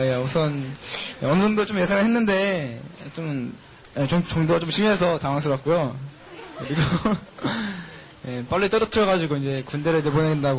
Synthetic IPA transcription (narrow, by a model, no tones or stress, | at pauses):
jeusʰʌneʌnɯbundot͡ɕomje̞sʰaŋɯɭɦenːɯnde̞t͡ɕom | et͡ɕoŋt͡ɕʌŋdoɡat͡ɕomɕʰimiɦesʰʌtaŋaŋsʰɯɾʌt̚k͈ujo | kɯɾiɡo | je̞p͈aʎːit͈ʌɾʌtʰɯɾʌɣad͡ʑiuɡoind͡ʑe̞kundeɾɯɭnebonendaɡo